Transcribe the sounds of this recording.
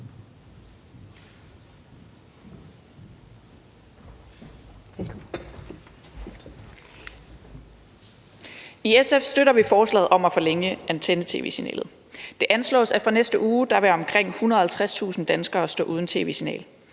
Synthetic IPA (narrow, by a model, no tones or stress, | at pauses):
iesefsd̥øɾɐʋifɒːslɛ̰ːð̩ˠɒ̽mæfɒ̽leŋəʔænt͡sʰenət͡sʰe̝ːʋe̝̰ːsinɛ̰ːlð̩ˠ | d̥e̝ʔænslɔ̰̽ːsæ̥fʁɑ̈nesd̥əʔuːd̥ɑ̈ʋæɐɒ̽mkʰʁeŋ̰hunɐð̩ˠhælt͡sʰʁast͡sʰṵːsn̩d̥ænsɡ̥ɐːsd̥ɔ̰̽ʔuð̞ˠn̩t͡sʰe̝̰ːʋe̝̰ːsinɛ̰ːl